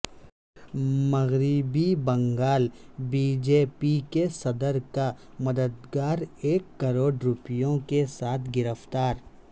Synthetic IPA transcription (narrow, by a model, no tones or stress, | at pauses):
mɐɣɾɪbibɐ̃ŋɡaːlbiːd͡ʒeːpikesɐd̪əɾka | mɐd̪əd̪ɡaːɾeːkːɐɾoːɖɾʊpjõkesaːt̪ʰɡɪɾəft̪aːɾ